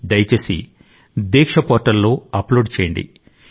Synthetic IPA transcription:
d̪ɐjɐt͡ʃeːsḭ | d̪ɛːkʂɐpoːʈɐlːo̞ːɐploːɖt͡ʃeːjɐɳɖḭ

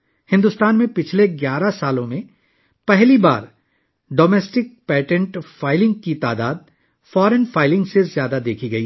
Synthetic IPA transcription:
hɪ̃nd̪ʊst̪aːnmẽpɪt͡ʃʰleɡjaːɾasaːlõmẽ | pɛɦliba̰ːɾ | ɖoːmɛːsʈɪk̚pɛːʈə̃ɳʈfaːɪlɪ̃ŋɡkit̪aːd̪aːd̪̚ | fɔːɾənfaːɪlɪ̃ŋɡsezjaːd̪ad̪eːkʰiɡɐiː

